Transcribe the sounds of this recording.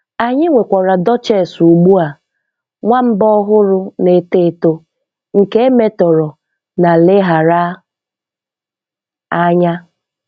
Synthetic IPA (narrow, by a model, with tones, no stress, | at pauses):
a˨ɲɪ˦ŋʷe˨kʷa˨ɾa˨dɔ˦t͡ʃe˦˨su˨ɡ͡bu˦a˨ | ŋʷa˦m̩˦bɔ˦ɦʊ˦ɾʊ˦ne˨te˦˨to˦ | ŋ̩˨ke˦e˦me˦tɔ˨ɾɔ˨ | na˨le˦ɦa˨ɾa˦ | a˦ɲa˦